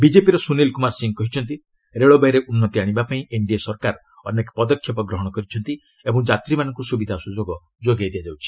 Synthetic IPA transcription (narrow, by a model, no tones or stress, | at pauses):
bid͡ʒepiɾɔsunelkumaɾsiŋkɔɦit͡ʃʰɔnt̪i | ɾeɭɔbajɾeʔunːɔt̪iaɽ̃ibapaĩʔeɳɖiasɔɾkaɾ | ɔnːekpɔd̪ɔkʰːjɔpɔɡɾɔɦɔɽ̃ɔkɔɾit͡ʃʰɔnt̪i | ebɔŋd͡ʒat̪ɾimanɔ̃ŋkusubid̪ʱasud͡ʒoɡɔ | d͡ʒoɡajd̪iad͡ʒawt͡ʃʰi̥